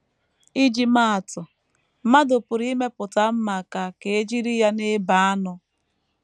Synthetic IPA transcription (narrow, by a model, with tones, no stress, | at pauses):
i˦d͡ʒi˨ma˦a˨tʊ˨ | ma˦dʊ˨pʊ˨ɾi˦me˦pʊ˨ta˦m̩˦ma˨ka˨ke˨e˦d͡ʒi˦ɾi˦ja˦ne˦ba˨a˦nʊ˦